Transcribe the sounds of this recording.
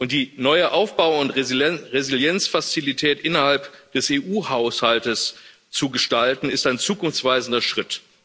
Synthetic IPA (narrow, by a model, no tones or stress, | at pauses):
ʔʊnt̚d̥iːnɔʏəʔaʊfb̥aʊʊntʁeziljɛnt͡sfat͡silitʰɛːtʔɪnɐhalpd̥ɛseːʔuːhaʊshaltəs | t͡suɡəʃtaltn̩ɪstaɪnt͡suːkʊnft͡sv̥aɪzn̩dɐʃʁ̥ɪt